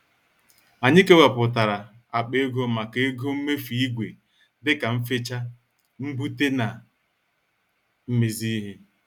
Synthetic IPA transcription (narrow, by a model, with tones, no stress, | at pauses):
a˨ɲɪ˦ke˦wa˨pʊ˨t̬a˨ɾa˨ | a˨k͡pe˦ɡo˦ma˨ke˦e˦ɡo˦m̩˦me˦fi˨i˦ɡʷe˨ | dɪ˦ka˨m̩˦fe˦t͡ʃa˦ | m̩˦bu˦te˦na˨ | m̩˦me˨zi˦ɦe˦